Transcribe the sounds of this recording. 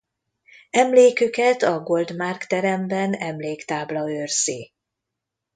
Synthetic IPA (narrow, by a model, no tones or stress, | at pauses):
ɛmleːkøkɛt̪ɒɡo̞ld̪markt̪ɛɾɛmbɛnɛmleːkt̪aːblɒørsiː